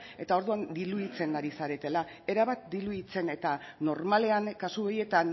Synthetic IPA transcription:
e̞t̪ao̞ɾðuand̪iluðit͡se̞ŋɡaɾisaɾe̞t̪e̞la | e̞ɾaβat̪̚d̪iluðit͡se̞ne̞t̪ano̞ɾmale̞aŋkasuoje̞t̪an

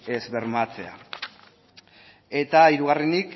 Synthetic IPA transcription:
e̞zβe̞ɾmat͡se̞a̰ | e̞t̪aiɾuɣ̞arenik

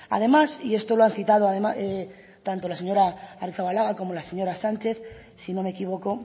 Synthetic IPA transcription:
a̰ð̞e̞masie̞st̪o̞loanθit̪að̞oaðemae | t̪ant̪o̞lase̞ɲo̞ɾaariθaβalaɣako̞mo̞laseɲo̞ɾasant͡ʃe̞θ | sino̞me̞kiβ̞o̞ko̞

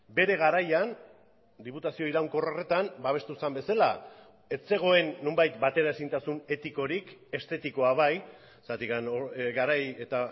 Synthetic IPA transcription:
be̞ɾe̞ɣ̞aɾajan | d̪iput̪asio̞iɾawŋko̞rore̞t̪ambaβ̞e̞st̪usambe̞sala | e̞t͡se̞ɣ̞o̞e̞nːumbajt̪bat̪e̞ɾae̞sint̪asune̞t̪iko̞ɾike̞st̪e̞t̪iko̞aβaj | sat̪ikanɣaɾajet̪a

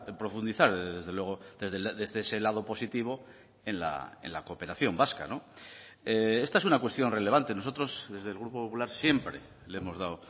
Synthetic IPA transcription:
pɾo̞fund̪iθaɾðe̞zðelwe̞ɣ̞o̞ðe̞zðeðezðeese̞lað̞o̞po̞sit̪iβ̞o̞ | e̞nla̰e̞̰nlakope̞ɾaθjo̞mbaska̰no̞ | ee̞st̪ae̞sunakwest̪jo̞nre̞le̞β̞ant̪e̞no̞so̞t̪ɾo̞sðe̞zðe̞lɣ̞ɾupopopulaɾsje̞mpɾe̞ | leemo̞zðaw

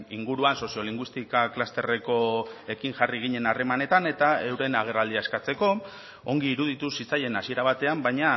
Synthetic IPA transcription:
iŋɡuɾuanso̞sio̞liŋɡwist̪ikaklast̪e̞re̞ko̞e̞kiŋʝariɣ̞iɲe̞nare̞mane̞t̪ane̞t̪aewɾe̞naɣ̞e̞rald̪iae̞skat͡se̞ko̞ | o̞ŋɡiːɾuð̞it̪usit͡saje̞nasie̞ɾaβ̞at̪e̞ambajɲa

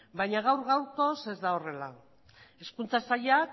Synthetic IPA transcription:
bajɲaɣ̞awɾɣawɾko̞se̞zd̪ao̞re̞la | e̞skunt͡sasaʎak

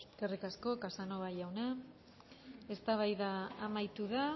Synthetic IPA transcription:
kerikasko̞kasano̞βajawna | e̞st̪aβajðaːmajt̪uða

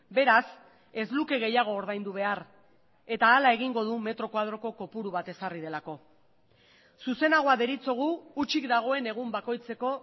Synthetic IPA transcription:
be̞ɾas | e̞zluke̞ɣ̞e̞jaɣ̞o̞ːɾðajnd̪uβ̞e̞ar | e̞t̪aːlae̞ɣ̞iŋɡo̞ð̞ume̞t̪ɾo̞kwað̞ɾo̞ko̞ko̞puɾuβ̞at̪e̞sarið̞e̞lako̞ | suse̞naɣ̞o̞aðe̞ɾit͡so̞ɣ̞uːt͡ʃikd̪aɣ̞o̞e̞ne̞ɣ̞umbako̞jt͡se̞ko̞

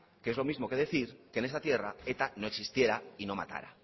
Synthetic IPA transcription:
keezlo̞mizmo̞ke̞ðe̞θiɾke̞nesat̪je̞rae̞t̪ano̞e̞ksist̪je̞ɾaino̞ma̰t̪a̰ɾa̰

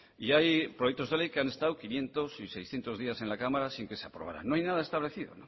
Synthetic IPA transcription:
iajpɾojekt̪o̞zðelejkeane̞st̪awkinje̞nt̪o̞sise̞jsθjent̪o̞zðiase̞nlakamaɾasiŋke̞seapɾoβa̰ɾa̰nːoajnaðae̞st̪aβle̞θiðo̞̰no

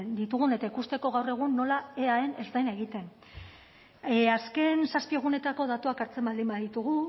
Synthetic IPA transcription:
nd̪it̪uɣ̞une̞t̪aikust̪e̞ko̞ɣawre̞ɣ̞unːo̞lae̞ae̞ne̞zd̪ajnae̞ɣit̪e̞n | aske̞nsaspie̞ɣ̞une̞t̪ako̞ðat̪uakaɾt͡se̞mbald̪imbaðit̪uɣ̞u

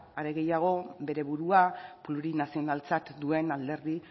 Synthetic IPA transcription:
aɾe̞ɣe̞jaɣ̞o̞be̞ɾe̞βuɾuapluɾinasio̞nalt͡sat̪d̪ue̞nald̪e̞ɾði

